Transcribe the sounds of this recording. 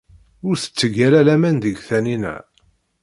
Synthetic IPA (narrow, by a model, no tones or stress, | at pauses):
ʊɾθə̥t͡sːəɡælælæmænðəɡθæninæ̰